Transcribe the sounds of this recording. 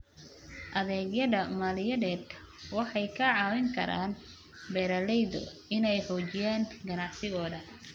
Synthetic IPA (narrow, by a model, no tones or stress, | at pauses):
ʔɐðɛːɡjɐðɐmaːlɪjɐðɛːd̪kʰɐ̥ | wɑħɑjkʰɐʕɑːwɛŋkʰɐ̰ɾa̰ːn | bɛːɾɐlɛjðɔ̰ɪnɛjħɔːt͡ʃɪjaːnɡɐnɑʕsɪɣɔːðɐ